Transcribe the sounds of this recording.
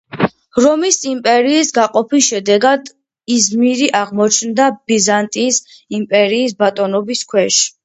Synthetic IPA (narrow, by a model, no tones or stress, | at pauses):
ɾɔmisimpʼɛɾiːsɡaqʼɔpʰisʃɛd̪ɛɡad̪ | izmiɾiʔaʁmɔt͡ʃʰnd̪ab̥izant̪ʼiːs | impʼɛɾiːs̬bat̪ʼɔnɔbiskʰwɛʃ